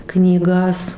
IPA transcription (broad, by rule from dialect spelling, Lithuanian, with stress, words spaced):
knʲiːˈɡɐs